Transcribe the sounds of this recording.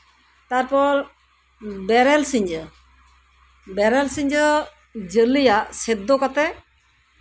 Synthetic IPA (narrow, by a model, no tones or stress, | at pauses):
t̪aɾpɔɾ | bɛɾɛlsiɲd͡ʒə | bɛɾɛlsiɲd͡ʒə | d͡ʒəlijaʔsɛd̪okat̪ɛ